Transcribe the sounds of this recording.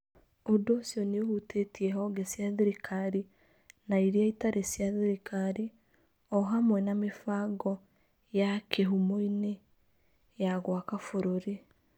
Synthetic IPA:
odoːsjɔneohutetiɛɦɔɡɛsjaðeɾikʰaɾi | naiɾiaitaɾʔesjaðeɾikʰaɾi | ɔɦamwɛnamefaɡɔ | jakʰeɦumoine | jaɣwakafoɾoɾe

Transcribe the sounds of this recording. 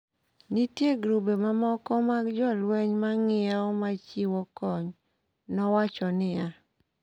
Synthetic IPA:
nitjeɡɾubemamɔkɔmaɡd͡ʒɔlwɛɲmaŋɪaɔmat͡ʃiwɔkɔɲ | nɔwat͡ʃɔnɪja

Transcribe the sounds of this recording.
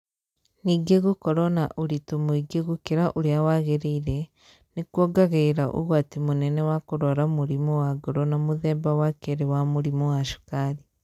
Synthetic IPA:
niɡeɣukoɾona̰ʔuɾitumuiɡeɣukiɾaʔuɾijawaɣeɾiiɾe | nikwoɡaɣeiɾaʔṵɣwatimunenewakuɾoɾamuɾimowaɡoɾonamuðeːmbawakeɾewamuɾimowaʃu̥kaːɾi

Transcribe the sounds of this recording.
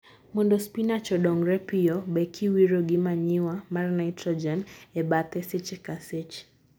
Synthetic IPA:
mɔndɔspinat͡ʃɔɗɔŋɡɾɛpiɔɓɛkʰiwiɾɔɡimaɲiwamarnajtɾɔd͡ʒɛnɛbat̪ɛsɛt͡ʃɛkasɛt͡ʃ

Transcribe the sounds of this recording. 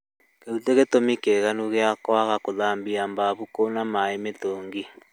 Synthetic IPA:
keuteɣetomikeɣanuɣeakwaɣakoðaːmbiambaβukonamaemetoːŋɡi

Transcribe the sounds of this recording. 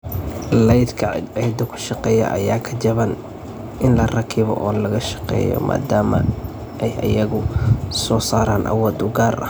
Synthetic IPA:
lɛjd̪kʰɐʕʕɛjd̪ʊkʰʊ̥ʃɑqɛːjɐ̰ʔɐ̰jaːkʰɐt͡ʃɐβɐn | ɪnlɐrɐkʰɪβɔ̰ʔɔːlɐɣɐʃɑ̥qɛ̰ːjɔ̰mʔa̰ːd̪aːmɐ̰ | ʔɛjʔɐ̰jɐɣʊsɔːsaːɾaːnʔɐ̰wɔːd̪ʊɡaːrʔɐ̰

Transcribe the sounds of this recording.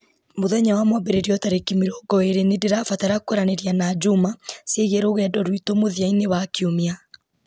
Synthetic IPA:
moðɛɲawamwabɛɾeɾiɔtaɾekimiɾɔɡɔeɾenedeɾafataɾakoɾaneɾjanad͡ʒumaseɣeɾoɣɛdɔɾwitomoðiaineβakiomia

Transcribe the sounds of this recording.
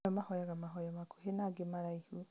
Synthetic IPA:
amahɔjaɣamaɦɔjamako̥ɦenaɡemaɾaihu

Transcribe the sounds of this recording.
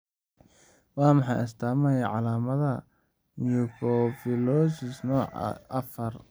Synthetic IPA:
wɑːmɑħɑjɪst̪ʰaːmɐjɐʕɑlaːmɐðɐ | njukʰɔfɪlɔsɪsnɔːʕ̰ʔɐfɐr

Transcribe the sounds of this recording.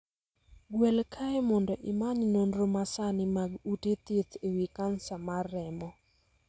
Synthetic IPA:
ɡwɛlkʰaemɔndɔʔɪmaɲnonɾomasanɪmaɡutet̪et̪ʰewikansamarːɛmɔ

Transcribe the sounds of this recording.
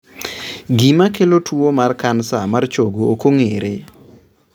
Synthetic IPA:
ɡimakelotʰwuomarkansamart͡ʃoɡookoŋeɾɪ

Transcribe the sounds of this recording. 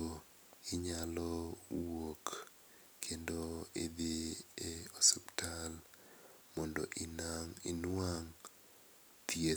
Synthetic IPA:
o | ɪɲalɔwok | kʰːendoɪd̪ɪeoseptʰal | mɔndoʔɪnaŋɪ̰nwaŋ | t̪ie

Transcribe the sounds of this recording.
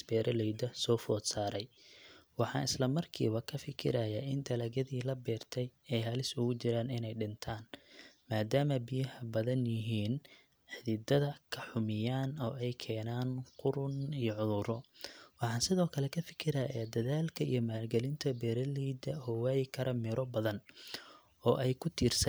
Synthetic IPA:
sbɛːɾʔɐlɛjd̪ɐsɔːfɔːd̪saːɾɛjwɑħɑ̰ːnɪslɐmɐrkʰḭːβɐkʰɐfɪkʰɪ̰ɾajaːɪnt̪ʰɐlɐːɣɐðiːlɐbɛːrt̪ʰɛjɛjɦɐlɪsʊɣʊt͡ʃɪɾaːnɪnɛjɖɪnt̪ʰaːnmaːd̪aːmɐbɪjɐhɐbɐðɐnjɪɦiːn | ħɪðɪd̪ɐðɐkʰɐħʊmɪjaːnɔːɛjkʰɛːnaːnqʊɾʊnijɔʕʊðʊɾɔwɑħɑːnsɪðɔːkʰɐlɛkʰɐfɪ̥kʰɪɾɐjaːd̪ɐðaːlkʰɐḭjɞmaːrɡɛlɪnt̪ʰɐbɛːɾɐlɛjd̪ɐhɔːwɛːjɪkʰɐɾʔɐmɪɾʔɔbɐðɐn | ɔːʔɛjkʰʊt̪ʰiːrsɐn

